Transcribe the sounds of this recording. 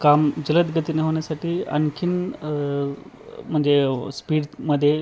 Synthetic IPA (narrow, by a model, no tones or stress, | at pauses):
kamd͡ʑələt̪ɡət̪ineɦəʋɳjasaʈiːə̰nkʰin | m̤əɳd͡zespiːɽməd̪ʱːje